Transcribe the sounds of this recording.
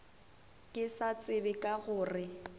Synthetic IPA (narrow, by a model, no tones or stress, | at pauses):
kʼɪsat͡sʼɪbɪkʼaɣʊːrɪ